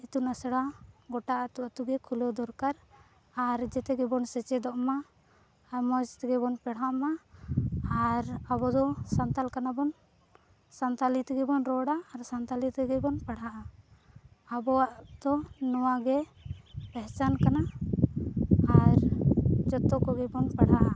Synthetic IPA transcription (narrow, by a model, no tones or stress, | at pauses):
it̪unasɽaɡɔʈaʔat̪uʔat̪uɡɛkʰulɔd̪ɔɾkaɾ | aɾd͡ʒɛt̪ɛɡɛbɔnsɛt͡ʃɛd̪ɔʔmaː | ɾmɔd͡ʒt̪ɛɡɛbɔnpɛɽɦaʔma | aɾabɔd̪ɔsant̪alkanabɔn | sant̪alit̪ɛɡɛbɔnɾɔɽaːɾsant̪alit̪ɛɡɛbɔnpɛɽɦaʔa | abɔwaʔd̪̥ɔnɔwaɡɛ | pɛɦt͡ʃankana | aɾd͡ʒɔt̪ːɔkɔɡɛbɔnpɛɽɦaʔa